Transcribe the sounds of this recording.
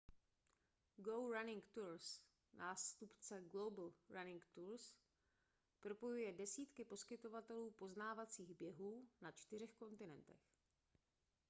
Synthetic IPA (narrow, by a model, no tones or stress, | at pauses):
ɡowɾanɪŋkt̪uɾs | nʔaːst̪upt͡sɛɡlobl̩ɾanɪŋkt̪uɾs | pɾo̞po̞jujɛdɛsiːt̪kɪpo̞skɪt̪o̞vat̪ɛluːpo̞znaːvat͡siːɣbjɛɦuːnat͡ʃt̪ɪrɛxko̞nt̪ɪnɛnt̪ɛ̰x